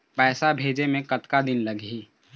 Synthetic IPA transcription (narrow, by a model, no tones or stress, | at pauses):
pɛːsabʱeːd͡ʒemẽkɐt̪kad̪ɪnlɐɡɦiː